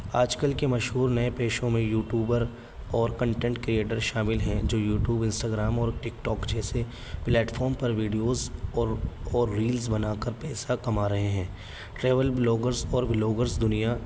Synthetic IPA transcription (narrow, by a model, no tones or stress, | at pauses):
aːd͡ʒkəlkemɐʃɦuːɾnɐepeːʃõmẽjuːʈjuːbəɾ | ɔːɾkɐ̃ɳʈɛ̃ɳʈkɾieːʈəɾʃaːmɪlɦɛ̃d͡ʒoːjuːʈjuːbɪ̃nsʈaːɡɾaːmɔːɾʈɪkʈɔːkd͡ʒɛːse | plɛːʈfɔːɾmpɐɾʋiːɖijoːzɔɔːɾːiːlzbɐnaːkəɾpɛːsakɐmaːɾɐɦeɦɛ̃ː | ʈɾeːʋəlbloːɡəɾzɔːɾbɪloːɡəɾzd̪ʊnija